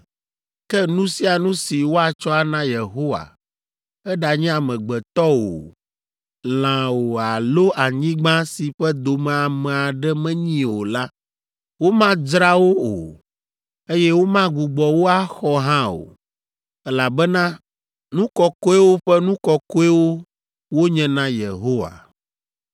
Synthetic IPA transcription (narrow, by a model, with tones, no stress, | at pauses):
kɛ˦nũ˦si˦a˨nũ˦si˨wo˦a˨t͡ʃɔ˦a˦nã˦je˨ɦo˦wa̰˨ | ɛ˦ɖa˨ɲɛ̃˦a˨mɛ̃˨ɡ͡bɛ˨t̪ɔ˦o̰˨ | l̃ã˨wo˨a˨lo˦ʔa˨ɲĩ˦ɡ͡bã˦si˨ɸɛ˦d̪o˨mɛ̃˨a˨mɛ̃˨a˨ɖɛ˦mɛ̃˦ɲĩ˦o˨la˦ | wo˦mã˦d͡ʒɾa˦wo˦o̰˨ | e˦jɛ˦wo˦mã˦ɡu˨ɡ͡bɔ˨wo˦a˦xɔ˦ɦã˦o̰˨ | ɛ˦la˨bɛ˦nã˦ | nũ˦kɔ˨ko˦ɛ˦wo˦ɸɛ˦nũ˦kɔ˨ko˦ɛ˦wo˦ | wo˦ɲɛ̃˨nã˦je˨ɦo˦wa̰˨